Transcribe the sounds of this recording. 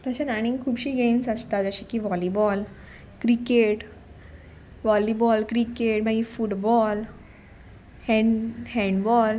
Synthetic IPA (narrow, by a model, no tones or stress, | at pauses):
t̪əɕenaɽ̃ĩŋkʰuːbɕiːɡensəst̪ad͡zəɕikiʋɔlibɔl | kɾikeʈ | ʋɔlibɔlkɾikeʈmaɡifuʈbɔl | hɛhɛ̃ɳɖbɔl